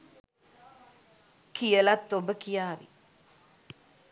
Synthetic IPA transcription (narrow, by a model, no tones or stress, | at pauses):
kijəlat̪ːobəkijaːʋḭ